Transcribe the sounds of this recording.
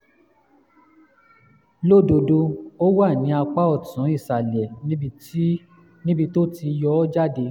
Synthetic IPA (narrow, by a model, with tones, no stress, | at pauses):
lo˦˨do˧do˧o˦wa˦˨nĩ˨˦a˧k͡pa˦ɔ˦˨tũ˨˦i˦˨sa˨lɛ˨ñ˦i˧˦ | nĩ˦bi˧to˦ti˧jɔ˦d͡ʒa˦de˧˦